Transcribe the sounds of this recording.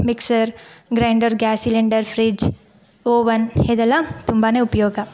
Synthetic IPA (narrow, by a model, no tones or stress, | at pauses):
miksɐɾɡɾaɪɳɖɐɾɡaːsileɳɖɐɾfʰɾid͡ʒ | oːʋɐneːd̪ɐlːat̪umbaneupjoːɡa